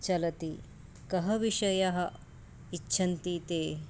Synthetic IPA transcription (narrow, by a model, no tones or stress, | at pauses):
t͡ʃɐlɐt̪i | kɐɦɐʋiʂɐjɐɦɐ̆ | it͡ʃːʃʰɐnt̪it̪eː